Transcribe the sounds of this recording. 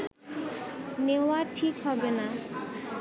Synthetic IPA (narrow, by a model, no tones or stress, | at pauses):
newaʈʰikɦɔbena